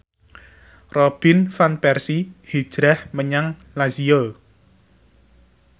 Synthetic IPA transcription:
rɔb̥infanpɛrsihi̥ʒ̥ɾɛhməɲaŋ | laziəl

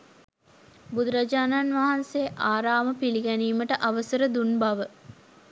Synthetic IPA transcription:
bud̪ɾad͡ʒaːnaːnʋaɦanseʔaːɾaːməpiliɡæniːməʈəʔaʋəsəɾəd̪unbɐʋə

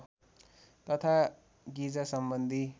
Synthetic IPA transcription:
t̪ʌt̪ʰa | ɡid͡zasʌmbʌnd̪ʱi

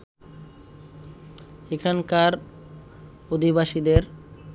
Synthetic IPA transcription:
ekʰankaɾ | od̪ʱibaʃid̪eɾ

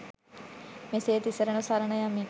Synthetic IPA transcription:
meseːt̪isəɾənusaɾənəjamːiː

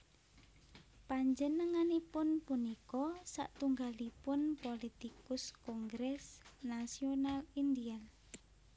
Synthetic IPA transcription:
paɲd͡ʒənəŋanipʊnpunikɔsa̰ʔt̪uŋɡalipʊnpolit̪ikʊskɔŋɡɾɛsnasionalind̪ial

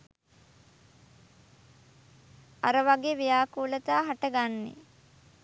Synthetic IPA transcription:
aɾəʋaɡeːʋijaːkuːlət̪aːɦaʈəɡanːḛ

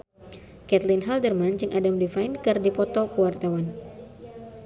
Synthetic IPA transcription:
kɛt̪linɦaldərmand͡ʒɨŋʔadamdifajnkərdipɔt̪ɔkuwart̪awan

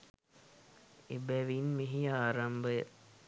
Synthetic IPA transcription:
ebæʋinmeɦijaːɾambəjə̰

